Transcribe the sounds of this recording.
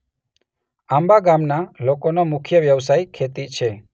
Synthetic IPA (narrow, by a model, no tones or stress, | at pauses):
ãmbaɡamnalokonomʊkʰjəʋjəʋsajkʰet̪it͡ʃʰe